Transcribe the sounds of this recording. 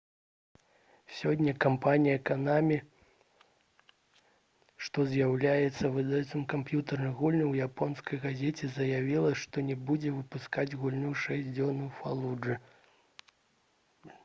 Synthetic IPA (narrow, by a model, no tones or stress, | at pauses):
sʲɔdʲnʲːɐkampanʲijɐkanamʲi | ʂt̪ɔzjawlʲajɛt̪sːɐvɨd̪at̪sɨmkampjut̪ɨrnɨɣulʲnuwjapɔnskɐjɣazʲet͡sʲɛzɐjavʲilˠɐʂt̪ɔnʲɛbud͡zʲɛvɨpuskad͡zʲɣulʲnuʂɛsʲd͡zʲɔnɨwfalˠuʐɨ